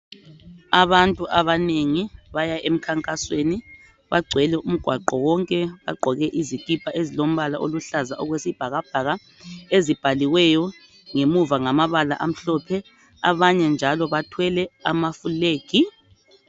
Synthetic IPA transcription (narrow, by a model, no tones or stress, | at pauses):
aβantʼuʔaβaneŋiβajaʔem̩kʰaŋkʼasweni | βaɡ͡ǀʱwɛlɛum̩ɡ̥ʱwaǃɔwɔŋkʼɛβa̰ɡ͡ǃʱɔɣɛʔizikʼipʰaʔezilom̩βalaʔoluɬazaʔɔɣwesib̥ʱaɣab̥ʱaɣa | ezib̥ʱaliwɛjɔ | ŋemuvaŋamaβala̰ʔam̩ɬɔpʰɛ | aβaɲɛnd͡ʒʱalɔβatʰwɛlɛamafuleːɡ̥ʱi